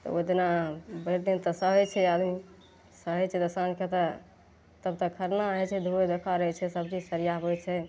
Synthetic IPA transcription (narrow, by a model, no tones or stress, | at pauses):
t̪ɔ̰ot̪nabəɾd̪int̪əsəɦət͡ʃʰɛad̪mi | səɦət͡ʃʰɛd̪əsanket̪ə | t̪əb̚t̪əkʰːəɾnaɦɛt͡ʃʰɛd̪ʱued̪ekʰaɾəɦɛt͡ʃʰɛsəb̚t͡ʃid͡ʒsəɾijabojt͡ʃʰɛ